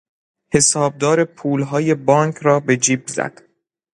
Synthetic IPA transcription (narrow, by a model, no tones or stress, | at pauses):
he̞sɒːb̚d̪ɒːɾe̞pʰuːlɦɒːje̞bɒːŋkʰɾɒːbe̞d͡ʒiːbzæ̰d̪̥